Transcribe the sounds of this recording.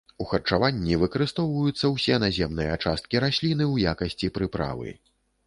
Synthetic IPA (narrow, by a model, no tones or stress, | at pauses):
uxɐrt͡ʂavanʲːivɨkɐɾɨst̪ɔwvɐjut̪sːɐwsʲɛnazʲɛmnɨjɐat͡ʂast̪̚kʲiɾasʲlʲinɨwjakɐsʲt͡sʲipɾɨpɾa̰vɨ̰